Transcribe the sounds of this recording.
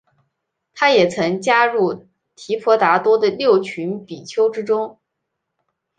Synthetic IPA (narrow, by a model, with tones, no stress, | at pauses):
t̪ʰa˥jɛ˨˩t͡sʰɤ˧˥ŋt͡ɕja˥ɻu˥˩ | t̪ʰi˧˥pʰɔ˧˥t̪a˧˥t̪wɔ˥d̪ə˨ljo˥˩ʊt͡ɕʰy˧˥npi˨˩t͡ɕʰjo˥ʊʈ͡ʂɻ̩˥ʈ͡ʂʊ˥ŋ